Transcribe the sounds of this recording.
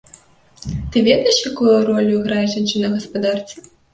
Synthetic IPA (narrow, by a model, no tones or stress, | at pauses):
t̪ɨvʲɛd̪ɐjɛʂjakujurɔlʲuiɣɾajɛʐant͡ʂɨnɐɣɐspad̪art̪sɐ